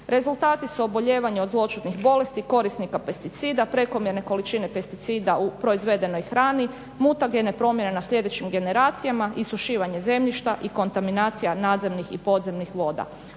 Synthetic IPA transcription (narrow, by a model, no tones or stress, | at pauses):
ɾe̞zulˠt̪aːt̪isuo̞bo̞ʎe̞ːʋaɲeo̞d̪zlˠo̞t͡ʃut̪nixbo̞le̞st̪iko̞ɾisnikape̞st̪it̪siːd̪apɾe̞ko̞mje̞ɾne̞ko̞lit͡ʃine̞pe̞st̪it̪siːd̪aupɾo̞izʋe̞d̪e̞no̞jxɾaːni | muːt̪aɡene̞pɾo̞mje̞ne̞nasʎe̞d̪e̞t͡ɕimɡe̞ne̞ɾaːt̪sijamaʔisuʃiːʋaɲe̞ze̞mʎiʃt̪aʔiko̞nt̪aminaːt̪sijanaːd̪ze̞mnixḭpo̞d̪ze̞mnixʋo̞ːd̪a̰